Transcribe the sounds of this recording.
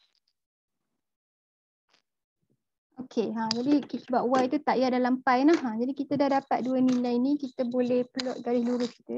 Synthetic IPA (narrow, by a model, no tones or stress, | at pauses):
okʰeãd͡ʒadikisəbaʔuwait̪ut̪aʔjadalampajnahãd͡ʒadikit̪ədahdapat̪̚duənilajinikit̪əbolɛhpəlɔʔ̪̚ɡaɾɪsluɾʊski̥t̪ə